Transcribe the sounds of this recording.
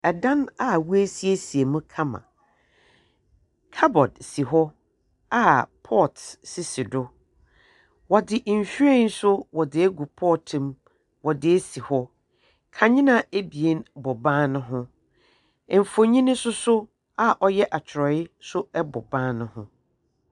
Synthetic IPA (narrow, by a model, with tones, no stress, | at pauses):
ɛ˨dã˦na˦˨wu˦æ˦si˦e˦si˨e˨mũ˦kʰã˦mã̰˨ | kʰa˦bɔ˨dsi˨ɦɔ˦ | a˦pʰɔ˦˨tsɪ˦sɪ˨dʊ˦ | wɔ˨dɪ˨ʔm̩˨fᶣi˦ɾe˦n̩˦sʊ˦wɔ˨dɪ˨˦ɛ˦ɡu˨pʰɔː˦˨tʰɪ̃˨m | wɔ˨dɪ˨˦ɛ˦si˨hɔ˦ | kʰã˨ɲɪ̃˦nã˨e˦bi˨e˦nbɔ˨bãː˦nʊ̃˦ɦʊ̃˦˨ | m̩˨fo˨ɲĩ˦nʊ̃˦sʊ˦sʊ˦ | a˨ʔɔ˦jɛ˦ʔa˨t͡ɕʰɪ˨ɾɔ˨ɪ˦sʊ˦ɛ˦bɔ̰˨bã˦nʊ̃˦hʊ̰̃˦